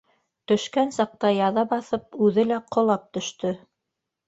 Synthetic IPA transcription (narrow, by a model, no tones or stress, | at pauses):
t̪ɵ̆ʃkænsɑq̚t̪ɑjɑðɑbɑθɤp̚ʉðɘlæqʰŏlˠɑp̚t̪ɵ̆ʃt̪ɵ